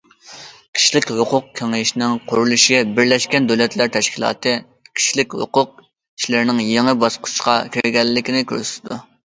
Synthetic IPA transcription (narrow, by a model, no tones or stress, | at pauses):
kʲʰi̥ʃlɪkʲhʊqʰʊq̚kʲʰeŋɪʃnɪŋqʰʊɾulˠɨʃibɪɾlɛʃkʲɛnd̪ølɛt̪læɾt̪ʰɛʃkʲilˠɑ̰ːt̪ʰɨ | kʲʰi̥ʃlɪkʲhʊ̰qʊq̚ | i̥ʃlɪɾnɪŋjeŋɨbɑsqʰʊ̥ʃqɑkʲʰiɾɡʲɛlːɪkʲinɪkʲø̰ɾsy̥t̪ʰɪd̪u